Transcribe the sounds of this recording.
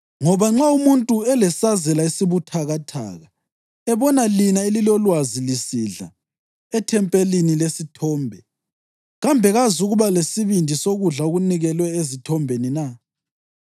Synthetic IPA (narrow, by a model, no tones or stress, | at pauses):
ŋɔβaŋ͡ǁaumuntʼuɛlɛsazɛlaisiβutʰaɣatʰa̰ːɣa | ɛβɔnalinaelilɔlwazilisiɮa̰ | ɛtʰɛmpʼelinilesitʰɔːmbʱɛ | ɣambʱɛɣazuɣuβalesiβindʱisoɣuɮaoɣuniɣɛlwɛezitʰɔmbʱenina